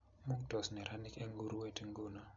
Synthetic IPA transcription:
mu˦ŋtɔ˨snɛ˨ɾʔa˦ni˦kɛ˦ŋɡu˦ɾu˦we˦ti˦ŋɡu˦nɔ˦

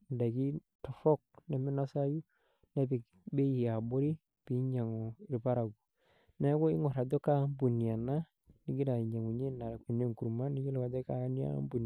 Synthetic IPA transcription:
nda˨ɡi˦ | tɔ˨fɔ˦k̚nɛ˨mi˦na˦sa˦ju˦ | nɛ˦bi˨ | be˦i˨a˨bo˦ɾi˦ | pi˨˦ɲa˨ŋɔ˨i˨ɾpa˦ɾa˨ɡu˨ | nɛ˦ɡo˦i˦ŋɔ˨ɾa˨do˦ka˦m˦bu˨ni˨a˨na˦ | ni˨˦ɡi˦da˨i˨ɲa˨ŋu˨ɲe˦na˨ɾa˨ke˨ne˦˨ŋ˨ku˨ɾma˦ni˦ɲo˦lɔ˦ka˨da˦ka˦ni˦a̰˦mbu˨n˨

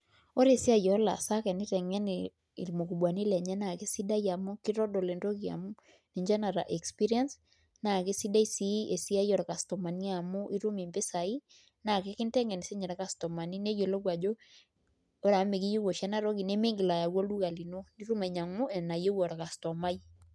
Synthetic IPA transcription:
o˦ɾe˦˨si˦a˦˨jɔ˨˦la̰˨sa˦kɛ˨ni˦ɾɛ˨ŋɛ˦ni˨ | mo˨ku˨bwa˨ni˦lɛ˨ɲɛ˦na˨ke˦si˦da˦ja˨mʊ˦ki˦ɾɔ˦dɔ˨le˨nɾo˦ki˨a̰˨mu˦ | ni˨ɲd͡ʒa˦na˨ɾa̰˨ʔɛ˨kspi˦ɾi˦a˦ns | na˨ke˦si˦da˦i˦si˦e˨si˦a˦jɔ˨ɾka˨stɔ˨ma˨ni˦a˨mu˦ʔi˦ɾu˦mi˨mbe˦sa˨i˦ | na˨ke˦kɪ˦ntɛ˦ŋɛ˨ni˨se˦ɲɛ˨ɾɛ˦ka˦stɔ˨ma˨ni˦ne˦jo˨lo˦kwa˨d͡ʒo˦ | o˦ɾa˨˦me˨ki˦jo˦wo˨ʃɛ˦na˦ɾɔ˦ki˨ne˦me˦ŋɡi˨la˨ja˨wo˦lu˦ka˨li˨no˦ni˦ɾu˦me˨ɲa˨ŋmu˦ɛ˨na˨je˦wɔ˨ɾa˨ka˨stɔ˨ma˦j

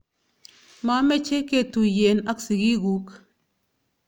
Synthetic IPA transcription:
ma˨˦mɛ˦t͡ʃe˦ke˦tu˨je˨na˦ksi˨ɡi˦ɡu˦k

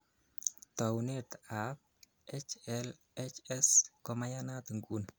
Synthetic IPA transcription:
ta˨wunet̪ap̚ | et͡ʃɛl | et͡ʃɛ˦skɔ˦ma˦ja˦na˦t̪ɨ˨ŋɡu˦n

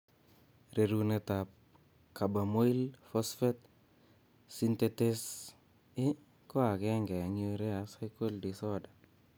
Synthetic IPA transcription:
ɾe˨ɾu˦ne˨ta˨p̚ | ka˨ba˨mo˦i˦lfɔ˦sfɛ˦t̪̚ | si˦nte˦te˦s | ɪ˦ | kɔ˦a˨kɛ˦ŋɡɛ˨a˨ŋio˦ɾɛ˦a˨sa˦jko˦ldi˨sɔ˦da˨

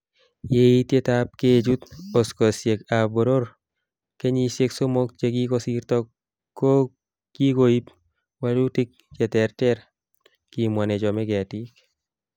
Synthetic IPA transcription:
je˦i˦tje˦tap̚ke˦d͡ʒu˦t̪o˨sko˨sje˨ka˨bo˨ɾo˦ɾ | ke˦ɲi˦sje˦kso˦mo˦k̚t͡ʃe˦ɡi˦kɔsi˦rt̪ɔ˦ | kːo˦ | ki˦ko˦i˦p̚ | wa˦lu˦ti˦k̚t͡ʃɛ˦t̪ɛ˨rtɛ˦ɾ | ki˨mwa˨nɛ˨d͡ʒɔ˨mɛ˦ɡɛ˨ti˦k

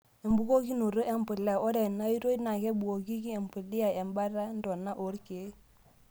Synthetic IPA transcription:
e˨mbu˦ko˦ki˦nu˨ɾo˦ʔe˦mpu˨la˦˨o˦ɾe˨nːa˦i˦ɾo˦i˦na˨ke˦bu˨ko˨ki˦ki˦e˨mpu˨li˦ja˨e˨mba˦ɾa˦n˦do˨nːa˦ʔo˨˦ɾke˨˦

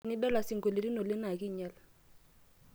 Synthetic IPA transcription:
nɪ˦dɔ˦la˨sɪ˨ŋɡo˨le˨ɾi˦no˨lɪ˦na˨kɪ˦˨ɲɛ˦l

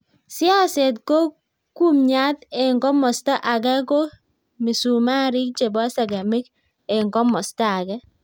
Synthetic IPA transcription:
sɪ˦ɔ˦se˨tko˦ | ku˦mɲa˦t̪e˨ŋɡɔ˦mɔ˨stɔ˦ʔa˨kɛ˦ko˦ | mi˨su˨ma˦ɾi˦k̚t͡ʃe˨bɔ˦sa˨ɡa˨mɪ˦k | e˨ŋɡɔ˦mɔ˨sta˦a˨kɛ˦

